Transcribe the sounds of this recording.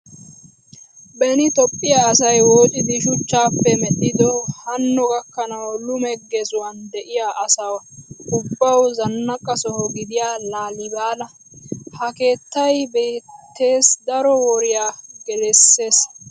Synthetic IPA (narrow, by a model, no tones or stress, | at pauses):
bɛnɪt̪ɔpʼːɪjaɐsɐjwoːtʼɪd̪ɪʃʊt͡ʃːaːpːɛmɛɗɪd̪ɔhɐnːɔɡɐkːɐnɐwlʊmɛɡɛzʊwɐnd̪ɛʔɪjaʔɐsɐwɐʊbːɐwzɐnːɐkʼːɐsɔhɔɡɪd̪ɪjaːlaːlɪbaːlɐ | hɐke̞ːt̪ːɐjbe̞ːt̪ːe̞ːsd̪ɐɾɔwɔɾɪjaːɡɛlɛsːe̞ːs